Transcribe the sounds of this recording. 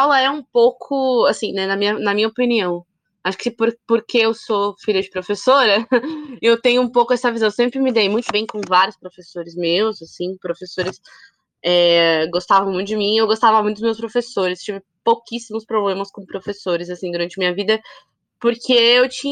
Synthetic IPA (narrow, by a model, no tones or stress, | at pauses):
awlɐɛũpowkʰʊasĩnɛnɐmĩɲɐnɐmĩɲɐopiniɐ̃w̃ | aʃʊ̥kɪpoɾpoɾkʰeewsofiʎɐd͡ʒɪpɾofesoɾɐ | ewt̪ẽɲʊũpowkʊɛsɐvizɐ̃w̃ewsẽmpɾɪmɪd̪ejmũj̃t̪ʊbẽj̃kõvaɾjʊspɾofesoɾɪzmewzasĩpɾofesoɾɪs | ɛɡost̪avɐ̃w̃mũt̪ʊd͡ʒɪmĩewɡost̪avɐmũjt̪ʊd̪ʊzmews̬pɾofesoɾɪst͡ʃivɪ | pokisimʊspɾoblẽmɐskõpɾofesoɾɪzasĩd̪ʊɾɐ̃nt͡ʃɪmĩɲ̃ɐvid̪ɐ | poɾkʰeewt͡ʃĩ